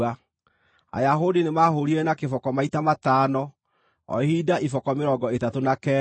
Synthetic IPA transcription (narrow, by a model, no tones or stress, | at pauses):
a | a̰jaɦodinemaːɦoɾiɛnakefɔkɔmaitamataːnɔ | ɔ̰hidaʔifɔkɔmeɾɔɡɔetatonakɛ